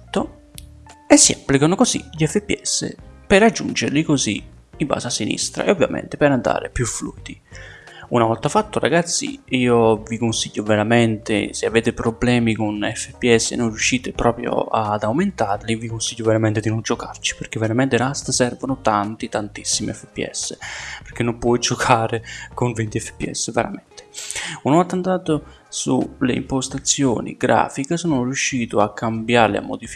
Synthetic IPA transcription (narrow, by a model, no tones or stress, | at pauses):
t̪ːo | esːiapːlikanʊkozḭʎɛfːepːiɛsːḛpɪɾad͡ʒːṵnd͡ʒeɾlikozḭ | imba̰ːsasinḭst̪ɾa̰ʔeovːja̰mʔɛ̰nt̪epɪɾand̪a̰ːɾɪ̰pjufluːid̪i | unavɔlt̪afat̪ːʊra̰ɡat̪sːḭiːovikonsiʎːoveɾamɛnt̪ḛsɪaveːt̪ɪpɾoblɛːmikunɛfːepːiɛsːɪ̰nonrjuʃːiːt̪ɪpɾɔːpɾjo̰ad̪awment̪aːɾlivikonsiʎːʊveɾamɛnt̪ed̪inond͡ʒokart͡ʃi̥peɾk̟evːeɾamɛnt̪ɪɾast̪əsɛrvonʊt̪ant̪it̪ant̪isːimḭɛfːepːḭɛ̰sːepeɾk̟enːompwɔjd͡ʒokʰaːɾekonvent̪iɛfːe̥pːiɛ̰sːəveɾa̰mɛnt̪e̥unat̪ːant̪aːt̪o | sulḛḭmpost̪at̪sːjo̰ːnḭɡɾa̰ːfikasɔːnʊrjuʃːiːt̪ʊakʰːambjaɾlɪ̰a̰mːo̰d̪if